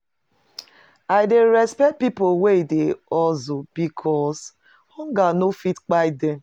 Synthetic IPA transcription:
aɪdeɾɛspɛt̚pipoweideɔzob̥ikʰɔs | hɔŋɡanofitk͡paɪde

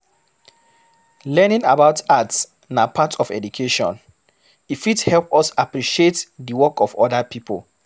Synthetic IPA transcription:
lɛnĩŋabaʊtats | napʰatɔfɛ̰dukʰeʃɔ̰̃n | ifithɛlpɔsapɹiʃietdiwɔkɔfɔdapʰipʰo̰l

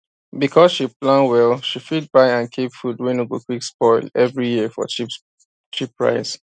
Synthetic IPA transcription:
bikʰɔsʃiplãnwɛlʃifid̚baɪãnkʰepfudwɛ̃nuɡokwikspɔɪlɛvɹijiəfɔ̰t͡ʃi | t͡ʃipɹa̰ɪs

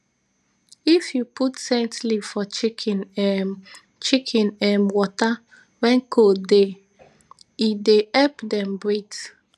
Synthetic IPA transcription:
ifjupʰutsẽtlivfɔt͡ʃikʰin | t͡ʃikʰĩnɛmwɔta | wɛ̃nkʰode | ideɛpdɛ̃mbɹets

